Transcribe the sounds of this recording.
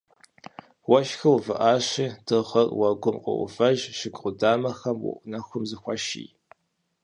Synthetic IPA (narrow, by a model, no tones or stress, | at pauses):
wɐʃxɨwvɨʔaːɕiːd̥ɨʁɐrwɐɡʷʊmqɔ̰ʔʊ̰fɐʒʃɪɡʼʁʷʊdaːmɐxɐmwʊ̰ʔʷnɐxʷʊmzɨxʷɑʃḭː